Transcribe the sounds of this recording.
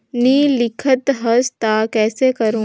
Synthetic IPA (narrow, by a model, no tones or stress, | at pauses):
niːlɪkʰət̪ɦɐst̪akɛːsekɐɾũː